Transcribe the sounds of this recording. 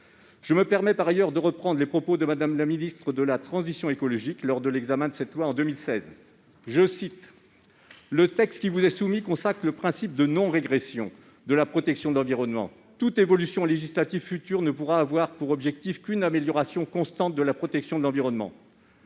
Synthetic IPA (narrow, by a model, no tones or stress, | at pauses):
ʒ̥əməpɛʁmɛpaʁajœʁd̪əʁəpχɑ̃d̪ʁlepχɔpod̪əmad̪amlaminist̪χəd̪əlat̪χɑ̃zisjɔ̃ekɔlɔʒiklɔʁd̪əlɛɡzamɛ̃d̪əsɛt̪lwaɑ̃d̪ømilsɛz | ʒəsit̪ | lət̪ɛkst̪kʲivuzɛsumikɔ̃sakχləpχɛ̃sip̚d̪ənɔ̃ʁeɡʁesjɔ̰̃ | d̪əlapχɔt̪ɛksjɔ̃d̪əlɑ̃viʁɔnmɑ̰̃ | t̪ut̪evɔlysjɔ̃leʒislat̪ivfyt̪yʁnəpuʁaːvwaʁpuʁɔbʒɛk̚t̪ifkʲynameljɔʁasjɔ̃kɔ̃st̪ɑ̃t̪̚d̪əlapχɔt̪ɛksjɔ̃d̪əlɑ̃viʁɔnmɑ̰̃